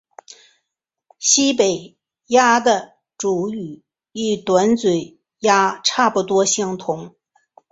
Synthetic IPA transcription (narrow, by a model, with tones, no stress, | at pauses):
ɕi˥pe˨˩ɪ | ja˥d̪ə˨ | ʈ͡ʂu˨˩y˨˩˦ | i˥˩t̪wa˧˥nt͡swe˨˩ɪ | ja˥ʈ͡ʂʰa˥˩pu˨˩t̪wɔ˥ɕɑ˥ŋt̪ʰʊ˧˥ŋ